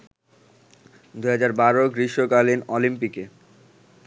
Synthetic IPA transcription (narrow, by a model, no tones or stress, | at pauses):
d̪uɦad͡ʑaɾbaɾoɡɾiʃokalinɔlimpike